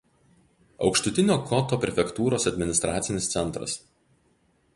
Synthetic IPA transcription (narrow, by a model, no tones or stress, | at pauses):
ɒ̰ʊkʃt̪ʊt̪ʲɪnʲoːkɔt̪oːpʲɾʲɛfʲɛkt̪uːɾoːsɐd̪ʲmʲɪnʲɪst̪ɾɑːt̪sʲɪnʲɪst̪sʲɛnˑt̪ɾɐ̰s